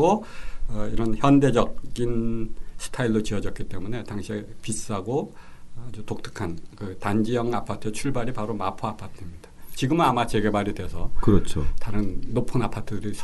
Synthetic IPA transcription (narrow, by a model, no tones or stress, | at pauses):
oʌiɾʌnçjʌnde̞d͡ʑʌk̚ɡ͈insʰɯ̥tʰailɭːot͡ɕiʌd͡ʑʌk͈it͈e̞mune̞taŋɕʰiepis͈ɯaɡo | d͡ʑutok̚tʰɯ̥kʰankɯtand͡ʑijʌŋapʰatʰɯet͡ɕʰuɭbaɾipaɾomapʰoapʰatʰɯmɲid̥at͡ɕiɡɯmɯnamat͡ɕe̞ɡe̞baɾidwe̞sʰʌkɯɾʌt͡ɕʰotaɾɯnːopʰɯnapʰatʰɯdɯɾisʰ